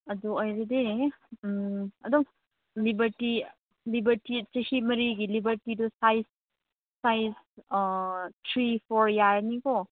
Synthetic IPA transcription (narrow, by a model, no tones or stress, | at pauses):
ɐduɔjɾede | ɐduŋ | libɐɾti | libɐɾtit͡ʃehimɐɾiɡilibɐɾtidɔsajsː | ajs | tʰɾipʰɔɾjaɾnikɔ